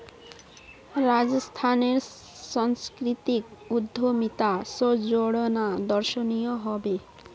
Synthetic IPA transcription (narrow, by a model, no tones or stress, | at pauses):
ɾad͡ʑost̪ʰaneɾ | ʃɔŋskɾit̪ik̚ud̪ʱːomit̪asod͡ʑoɽonad̪ɔɾʃonijoɦɔbe